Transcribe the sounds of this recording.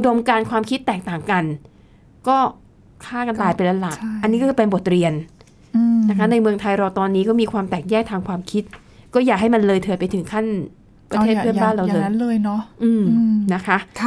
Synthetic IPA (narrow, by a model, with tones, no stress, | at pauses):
ʔu˧do˧mkaː˧nkʰwaː˧mkʰi˦˥t̪ːɛː˨˩k̚t̪aː˨˩ŋka˧n | kɔː˥˩ | kʰaː˥˩ka˧nt̪aː˧jpe˧nla˧la˨˩ka˧nːiː˦˥kɔ˥kɯː˧pe˧nbo˨˩t̪̚ɾi˧ənː˧ | na˦˥kʰa˦˥na˧jmɯ˧əŋt̪ʰa˧jɾaː˧wt̪ɔː˧nːiː˦˥kɔː˥˩miː˧kʰwaː˧mt̪ɛː˨˩k̚jɛː˥˩k̚t̪ʰaː˧ŋkʰwaː˧mkʰi˦˥t̪̚ | kɔː˥˩jaː˨˩k̚ɦa˥˩jma˧nlɤː˧jt̪ʰɤː˧pa˧jt̪ʰɯ˩˦ŋkʰa˥˩n | pɾa˧t̪ʰeː˥˩t̪ʰɯ˥˩ə˨baː˥˩nɾa˧wlɤː˧jlɤː˧jnɔ˦˥ʔɯː˧mna˦˥kʰa˦˥ʔʰ